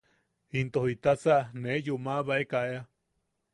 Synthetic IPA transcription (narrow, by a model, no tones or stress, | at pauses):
int̪ohit̪at͡saʔnejumaβaekaʔea